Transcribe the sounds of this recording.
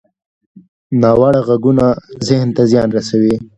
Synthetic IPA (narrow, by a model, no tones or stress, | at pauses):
nɑwɑɽaɣaɡunazɪhnt̪azjɑnɾasawi